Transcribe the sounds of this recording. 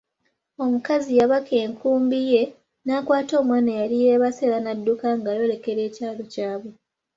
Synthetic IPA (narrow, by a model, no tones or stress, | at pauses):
o̞mukazijaβake̞ːŋkuːmbije̞ | naːkwaːto̞ːmwaːnajalijeβase̞lanadːukaŋɡajo̞le̞ke̞ɾe̞ːcaːlo̞caːβwe̞